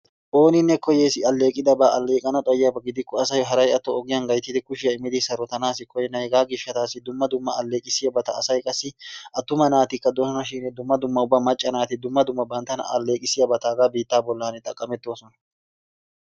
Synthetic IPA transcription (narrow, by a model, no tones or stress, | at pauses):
ʔo̞ːnɪnːɛkɔjeːsɪɐlːe̞ːkʼɪd̪ɐbaːʔɐlːe̞ːkʼɐnɐt̪ʼɔjɪjɐbɐɡɪd̪ɪkːɔɐsɐjɦɐɾɐjɐt̪ːɔːɡɪjɐnɡɐjt̪ːɪd̪ɪkʊʃɪjɐɪmɪd̪ɪsɐɾɔt̪ɐnaːsɪkʰɔjɛnɐjɛɡaːɡɪʃːɐt̪aːsːɪd̪ʊmːɐd̪ʊmːɐɐlːe̞ːkʼɪsɪjɐbɐt̪ɐ̰ːsɐjkʼɐsːɪʔɐt̪ːʊmɐnaːt̪ɪkːɐd̪ɔsɐnɐʃ̬iːnɛd̪ʊmːɐd̪ʊmːɐʊbːɐmɐt͡ʃʼːɐnaːt̪ɪd̪ʊmːɐd̪ʊmːɐbɐnt̪ɐnɐ̰ʔɐlːe̞ːkʼɪsɪjɐbɐt̪aːɡaːbiːt̪ːaːbɔlːaːnɛt̪ʼɐkʼːɐmɛt̪ːo̞ːsɔnɐ